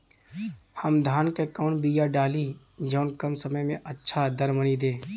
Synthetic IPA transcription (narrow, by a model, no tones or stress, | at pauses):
həmd̪ʱaːnkekɔːnbijaɖaːli | d͡ʒɔːnkəmsəməjmẽʔətːʃʰad̪əɾmənid̪eː